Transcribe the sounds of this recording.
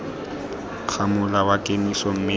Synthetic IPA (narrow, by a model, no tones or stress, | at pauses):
k͡xʰamʊlawakʼemisɔm̩me